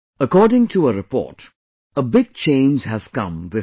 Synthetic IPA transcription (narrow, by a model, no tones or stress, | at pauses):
əkɔːɖɪ̃ŋʈʰuəɾɪpɔ̰ːʈ | əbɪɡ̚t͡ʃẽɪ̃nd͡ʒɦæz̥kʌ̰̃mwɪ